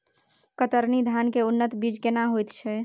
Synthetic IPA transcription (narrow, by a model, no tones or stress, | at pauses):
kət̪əɾnid̪ʱankeunːət̪bid͡ʒkenaɦojt̪t͡ʃʰɛ